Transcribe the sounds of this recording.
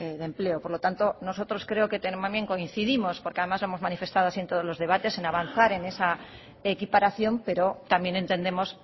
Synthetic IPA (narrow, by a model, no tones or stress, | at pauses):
eðe̞mple̞opo̞ɾlo̞t̪ant̪o̞no̞so̞t̪ɾo̞skɾe̞oke̞t̪enmamje̞ŋko̞in̟θiðimospoɾkeaðe̞mazloemo̞zmanife̞st̪aðoasient̪oð̞ozlo̞zðe̞β̞at̪e̞se̞naβ̞an̟θaɾe̞ne̞sa | ekipaɾaθjo̞mpe̞ɾo̞t̪amje̞ne̞nt̪e̞nd̪e̞mo̞s